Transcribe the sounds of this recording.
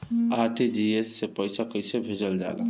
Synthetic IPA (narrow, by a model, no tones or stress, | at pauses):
aɾʈid͡ʒiesːepəjsakəjsebʱed͡ʒəld͡ʒa̰lə̰